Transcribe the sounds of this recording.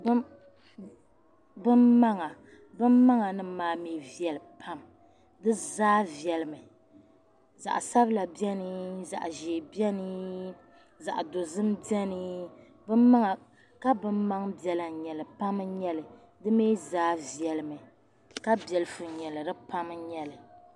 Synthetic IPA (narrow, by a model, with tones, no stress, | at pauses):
b | bɨ˦mːa˦ŋa˨ | bɨ˦mma˦ŋa˨nɨ˦maː˨meː˨vi˨ɛ˨lɨ˨pʰa˦m | dɨ˦zaː˦vi˨ɛ˨lɨ˨mɨ˨ | za̰˨ʔsa˦bla˨bi˦ɛ˦nɨ˦za̰˨ʔʒeː˨bjɛ˦nɨ˦ | za̰˨ʔdo˨zɨ˦m˦bɛ˦nɨ˦ | bɨ˦mːa˦ŋa˨ | ka˦bɨ˦mma˦ŋbjɛ˨la˨ɲɛ˨lɨ˨pa˦m˦ɲɛ˦lɨ˨ | dɨ˦meː˦zaː˦vi˨ɛ˨lɨ˨mɨ˨ | ka˦bɛ˨lɨ˦fɨ˨ɲɛ˨lɨ˨dɨ˦pa˦mɲɛ˦lɨ˨